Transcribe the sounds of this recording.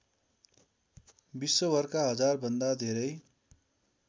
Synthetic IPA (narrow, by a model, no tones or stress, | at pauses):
bisːobʌrkaɦʌd͡zarbʱʌnd̪ad̪ʱeɾʌj